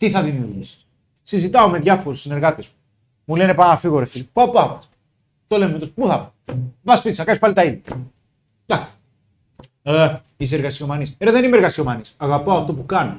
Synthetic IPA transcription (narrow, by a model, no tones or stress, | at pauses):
t̪iθɐðimiuɾʝisi̥s | sizit̪ɐome̞ðʝɐfo̞ɾesine̞ɾɣɐt̪ezmu | mule̞ne̞pɐnɐfiɣo̞ɾefilipapuθɐpɐs | t̪o̞le̞mt̪ospuθɐpɐ | vɐspit̪isɐkɐspɐlit̪ɐiðʝɐ | d̪ɐk | is̬eɾɣɐsio̞mɐniseɾeðenimeɾɣɐst̪io̞mɐnisɐɣɐpoɐft̪o̞pukɐno